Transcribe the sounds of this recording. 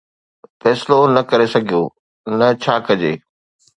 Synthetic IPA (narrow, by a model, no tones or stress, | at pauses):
fɛːsɪlonɐkɐɾesɐɡʱijoː | nɐt͡ɕʰaːkɐd͡ʑeː